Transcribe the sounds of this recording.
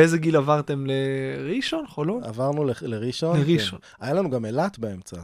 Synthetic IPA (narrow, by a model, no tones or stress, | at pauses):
ezeɡilavaʁt̪e̞mleʁiʃonχoloa̰vaʁnuleleʁiʃoneʁiʃon | ajalanuɡamelat̪beemt͡sa